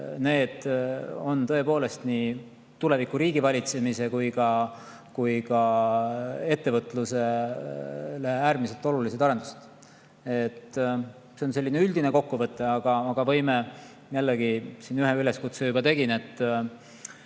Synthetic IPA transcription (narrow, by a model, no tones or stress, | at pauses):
ne̞ːd̪̥o̞nt̪ɤ̞e̞po̞ːle̞st̪ni | t̪ule̞vikːˑuɾiːɡ̥ivɑlʲit̪se̞mise̞kujkɑ | kujkɑ | e̞t̪ːe̞vɤt̪ːˑluse̞ | læheæːɾmise̞lt̪ˑo̞luliset̪ɑɾe̞nd̪̥use̥d̪̥ | et̪ː | se̞onse̞lʲːineyld̪̥ineko̞kːuvɤt̪ːˑeɑɡ̥ɑːɡ̥ɑvɤ̞jme | jælːeɡ̥isinyɦeyle̞skut̪sejubɑt̪e̞ɡ̥inet̪ː